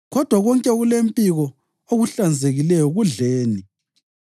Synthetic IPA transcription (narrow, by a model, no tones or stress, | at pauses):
ɣɔd̥ʱwaɣɔŋkʼɛɣulempʼiɣɔ | oɣuɬand͡zʱeɣilɛjɔɣuɮeːni